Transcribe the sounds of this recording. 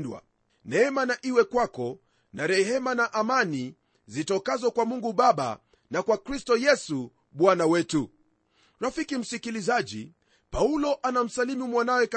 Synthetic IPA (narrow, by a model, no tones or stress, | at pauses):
ndwa̰ | nɛɛmanaʔiwɛkwakɔ | naɾɛɦɛmanaʔamani | zitɔkazɔkwamuŋɡuɓaɓa̰ | nakwakɾistɔjɛsu | ɓwanawɛtu | ɾafikim̩sikilizaʄḭ | paulɔʔanam̩salimumwanawɛka